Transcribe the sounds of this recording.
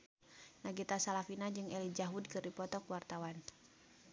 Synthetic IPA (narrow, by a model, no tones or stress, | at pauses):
naɡit̪asalafinad͡ʒɨŋɛlid͡ʒaɦud̚kɨrdipɔt̪ɔkwart̪awan